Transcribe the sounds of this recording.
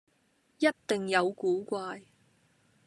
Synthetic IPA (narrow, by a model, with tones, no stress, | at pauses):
jɐ˥t̚t̪ɪ˨ŋjɐ˨˧wkuː˨˥kʷaː˧j